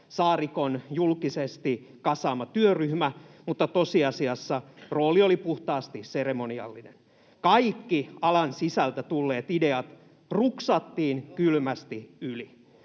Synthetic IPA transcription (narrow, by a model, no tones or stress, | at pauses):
sɑːrikonjulkisest̪i | kɑsɑːmɑt̪yøryhmæmut̪ːɑt̪osiɑsiɑsːɑroːliolipuht̪ɑːst̪isseremoniɑ̰lːinen | kɑikːiɑlɑnsisælt̪æt̪ulːeːt̪ide̞ɑt̪ | ruksɑt̪ːiːnkylmæst̪iyli